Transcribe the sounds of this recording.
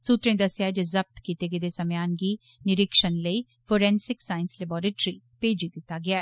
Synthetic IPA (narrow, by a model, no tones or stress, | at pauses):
suːt̪ɾẽd̪əsjaːɛd͡ʒezəb̚t̪kiːt̪eːɡed̪eːsəmjaːnɡiː | nɪɾɪkʃənləiː | fʰoːɾɛ̃ːnsɪksaːɪnslɛbɔːɾeːʈɾiː | peːd͡ʒid̪ɪt̪ːaːɡɪaːɛː